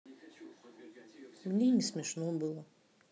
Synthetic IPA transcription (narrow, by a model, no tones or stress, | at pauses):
mnʲinʲismʲɛʃnɔbɨlˠɔ